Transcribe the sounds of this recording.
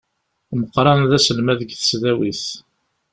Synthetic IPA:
məqɾˤɑnðæsəlmæðəɡθə̥sðæwiθ

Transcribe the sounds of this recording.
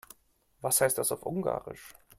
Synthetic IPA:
vashaɪstd̥asaʊfʔʊŋɡa̰ːʁɪ̰ʃ

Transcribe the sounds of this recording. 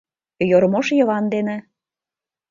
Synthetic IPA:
joɾmoʃjɤ̆βɑnd̪enĕ

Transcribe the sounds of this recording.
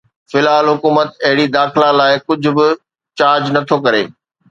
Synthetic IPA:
fɪlaːlɦʊkuːmət̪ɐɦɪɽid̪aːxɪlãlaːɪkʊd͡ʑʱʊ̆bɪ | t͡ɕaːɾd͡ʑnɐt̪ʰokɐɾḛː

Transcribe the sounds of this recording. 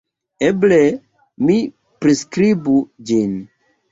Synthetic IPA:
eble | mi | pɾiskɾibud͡ʒin

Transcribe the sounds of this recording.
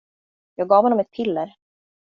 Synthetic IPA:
jɑːɡ̚ɡɑːvhɔnɔmɛt̪̚pʰɪlːɛɾ

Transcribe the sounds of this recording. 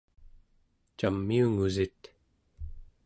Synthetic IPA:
t͡ʃamːiuŋuzit̪

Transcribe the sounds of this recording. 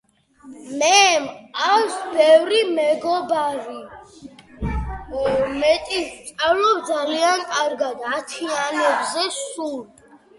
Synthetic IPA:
mɛmaksbɛvɾimɛɡɔbaɾi | mɛt̪ʼist̪sʼavlɔbd̪zaliankʼaɾɡad̪at̪ʰianɛbzɛsul

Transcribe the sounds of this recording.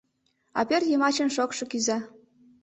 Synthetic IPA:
ɑ̰pʲerʲjemɑt͡ɕɤ̆nʃɤkʂɤ̆kyzɑ

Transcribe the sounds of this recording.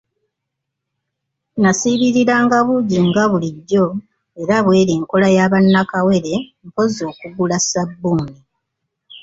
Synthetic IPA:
nasiːβiɾiɾaːŋɡaβuɟiŋɡaβuliɟːo̞ | e̞ɾaβwe̞ːɾeːŋko̞lajaβanːakawe̞ɾe̞mpo̞zo̞ːkuɡulasabːuːni

